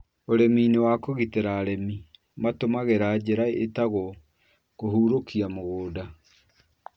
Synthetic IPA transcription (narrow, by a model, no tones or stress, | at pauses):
oɾemiːnewakoɣiteɾaɾɛmi | matomaɣeɾaːd͡ʑeɾaetaɣɔ | kohuːɾokiamoɣoːda